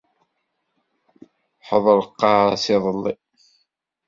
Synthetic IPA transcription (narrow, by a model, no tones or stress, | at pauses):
ħəðˤəɾˤəqːɑʕsɪðˤəlːḭ